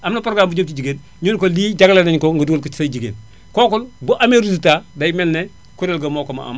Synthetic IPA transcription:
amnɐpoɾɡaːmbud͡ʒomtid͡ʒiɡen | ɲunkodid͡ʒaɡlaneɲkoŋɡɐduɡolkut͡ʃi̥sad͡ʒiɡḛːn | koːkulbuʔameɾusutadajmɛlne | kuɾelɡɐmokoma̰a̰m

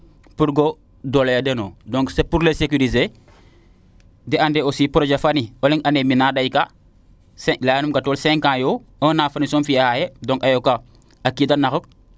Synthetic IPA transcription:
puɾɡo | dolejadenoːdɔ̃ŋksepuɾlesekyɾize | dɛandeosipɾod͡ʒafanioliŋʔaneminaːdajka | sɛlaːjanumkatolsɛ̃ŋkãːjoonaːfanisɔmfijahajedɔ̃ŋkajoka | akidanaxuk̚

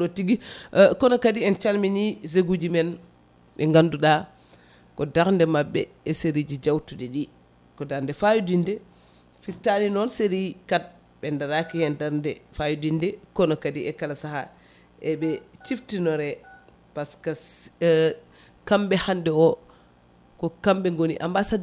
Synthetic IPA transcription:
otiɡikɔnɔkadiɛnt͡ʃalminizeɡud͡ʒimɛn | ɛŋɡanduɗa | kɔdaɾndɛmabːɛːseɾid͡ʒid͡ʒawtudɛɗi | kɔdaɾndɛfajudindɛ | fiɾtaninɔnseɾikat̚ | ɓɛndaɾakihɛndaɾndɛfajudindɛkɔnɔkadiɛkalasaha | ʔɛbɛt͡ʃiftinɔɾɛ | paska | kambɛhandɛɔ | kɔkambɛŋɡonḭʔa̰mbasad

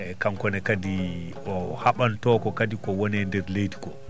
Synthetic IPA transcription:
ɛkamkɔnɛkadi | ɔhaɓantɔkɔkadikɔwɔnɛndɛɾlejti̥kɔ

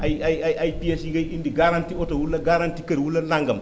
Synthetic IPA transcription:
ajajajajpiesiɡajindiɡaɾantiotowulːaɡaɾantikɐɾwulːalaŋɡɐm

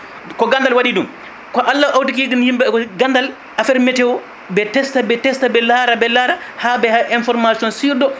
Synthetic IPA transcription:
kɔɡandalwaɗidum | kɔʔalːaʔawtik̬iɡinhimbɛɔɡandal | ʔafɛɾmɛtɛwɔ | bɛtɛstabɛtɛstabɛlaɾabɛlaɾahabɛhaʔinfɔɾmasiɔnsiɾdɔ

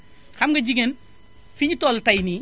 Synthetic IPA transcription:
xɐmɡɐd͡ʒiɡen | fiɲtɔltajni

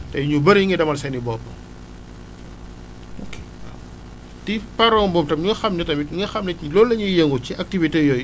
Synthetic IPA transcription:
tɛjuɲubɐɾiŋɡɛdɐmɐlsɛnibɔpːɐ̰ | oke | tipɐɾɔŋbɔːmtɐmɲuxɐmnɛtɐmiŋɐxɐmnɛilɔlːɐɲijɐŋɡut͡ʃiʔɐk̚tivitejɔj

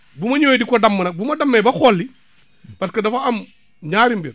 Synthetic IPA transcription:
bumɐɲoːjidikodɐmːɐnɐk̚bumɐdɐmːebɐxolːi | pɐskɐdɐfaɐm | ɲaːɾimbiɾ

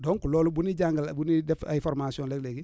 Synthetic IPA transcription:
dɔ̃ŋkulɔːlubunid͡ʒãŋɡlbunidɛfafɔɾmasiɔ̃leɡleɡi

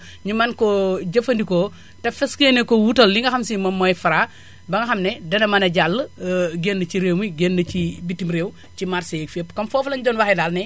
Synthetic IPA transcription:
ɲumɐnkɔɟɐfɐndiko | tɐfɛskenɛkɔwutɐlliŋɡɐxɐmsimɐmːɔjfɐɾa | bɐŋɡɐxɐmnɛdɐnɐmɐnɐɟalːəɡenːət͡ʃiɾemiɡenːət͡ʃibitːimɾeːw | cimarsejkfepːkɐmfɔːfɐlɐnɟɔːnwaxɛdaːlnɛ

